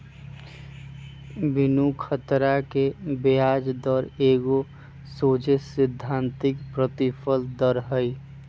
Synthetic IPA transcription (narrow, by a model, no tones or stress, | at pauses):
bɪnukʰət̪ɾakebejaːd͡ʒd̪əɾeːɡo | soːd͡ʒesɪd̪ʱːãnt̪ɪkpɾət̪ipʰəld̪əɾɦəi